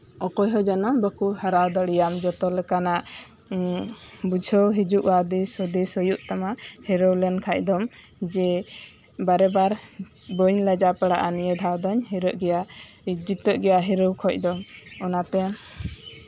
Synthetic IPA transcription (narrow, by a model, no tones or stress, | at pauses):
ɔkɔjɦɔd͡ʒanɔbəkuhəɾawd̪ɔɽijamd͡ʒɔt̪ɔlɛkanaʔ | bud͡ʒʱəwɦid͡ʒuʔwad̪isɔd̪isɔjuʔt̪amahɛɾəwlɛnkʰac̚ˀd̪ɔmd͡ʒɛ | baɾɛbaɾ | bəɲləd͡ʒapɛɽaʔanijəd̪ʱawd̪ɔɲɦiɾəʔɡɛja | d͡ʒit̪ɔʔɡɛjaɦɛɾəwkʰɔc̚ˀd̪ɔmɔnat̪ɛ